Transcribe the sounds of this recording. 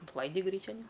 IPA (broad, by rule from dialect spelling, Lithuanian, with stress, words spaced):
ɪntˈlˠɐɪdʲɪ ˈɡrʲiːt͡ʃʲɛn ɪ